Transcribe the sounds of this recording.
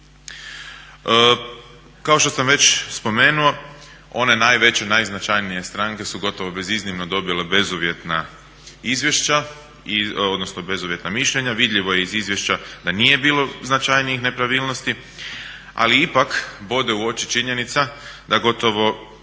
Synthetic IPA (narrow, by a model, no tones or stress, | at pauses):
kao̞ʃt̪o̞samʋe̞t͡ɕspo̞me̞ːnuo̞ | o̞ne̞najʋe̞t͡ɕenajznat͡ʃajnije̞st̪ɾaŋke̞suɡo̞t̪o̞ʋo̞be̞ziznimnod̪o̞bile̞be̞zuʋje̞t̪na | izʋje̞ʃt͡ɕa | io̞d̪nosno̞be̞zuʋje̞t̪namiʃlʎe̞ɲaʋid̪ʎʲiʋo̞jeizizje̞ʃt͡ɕad̪anije̞biːlo̞znat͡ʃajniixne̞pɾaʋiːlˠno̞st̪i | a̰liipakbo̞d̪euo̞t͡ʃit͡ʃiɲe̞nit̪sad̪aɡo̞t̪o̞ʋo̞